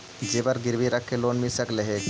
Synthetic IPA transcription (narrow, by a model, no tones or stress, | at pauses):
d͡ʒeːbəɾɡɪɾbiɾəkʰːeloːnmisəkleɦe